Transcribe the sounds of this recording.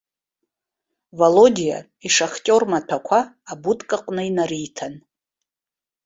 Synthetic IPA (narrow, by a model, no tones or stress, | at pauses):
valodʲija̰ | iʂaχtʲʼo̞rmatʰakʷʰaː | butʼkʼaqʼnɨinaɾijtʰan